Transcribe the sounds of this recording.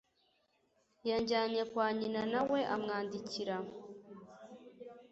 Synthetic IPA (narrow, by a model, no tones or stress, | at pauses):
jaɲɟaːɲekwaːɲinanawe̞ʔamŋaːndiciɾa